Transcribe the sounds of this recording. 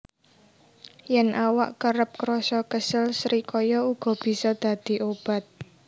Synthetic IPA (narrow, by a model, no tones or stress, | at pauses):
jɛnʔawaʔkəɾəp̚kɾɔsɔkəsɪlsɾikɔjɔuɡ̥ɔ̤b̥i̤sɔd̪̥ä̤d̪̥i̤ʔob̥a̤t̪̚